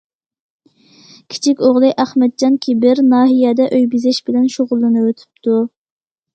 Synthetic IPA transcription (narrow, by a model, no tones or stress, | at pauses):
kʲʰi̥t͡ʃʰikʲoʁlˠɨʔæχmɛd̪̚d͡ʒɑnkʲʰibɪɾnɑːɦijɛd̪ɛʔøjbizɪʃbɪlɛnʃoʁʊlˠːɨnɨwøt̪ʰy̥p̚t̪ʰu